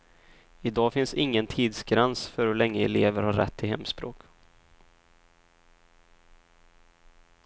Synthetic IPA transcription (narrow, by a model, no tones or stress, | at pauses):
ɪd̪ɑːfɪnsɪŋːənt̪ʰiːd̪sɡɾɛnsfœɾhɵlɛŋːəɛleːvəɾhaɾːɛ̰t̪ʰːɪɦɛmːspɾoːk